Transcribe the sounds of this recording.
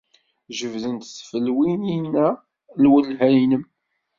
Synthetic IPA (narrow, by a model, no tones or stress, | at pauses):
ʒəvðənt̪θfəlwininːæ | lwəlɦæjnəm